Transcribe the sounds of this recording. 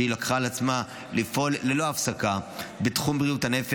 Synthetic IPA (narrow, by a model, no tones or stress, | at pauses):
ilakχaːlat͡sma | lifolːelo̞afsakabetχumbʁijuthane̞fe